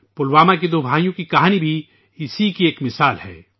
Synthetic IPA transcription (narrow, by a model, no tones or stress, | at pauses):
pʊlwaːmak̬id̪oːbʱaːjõkikɐɦaːnibʱi | ɪsikieːkmɪsaːlhɛ̰ː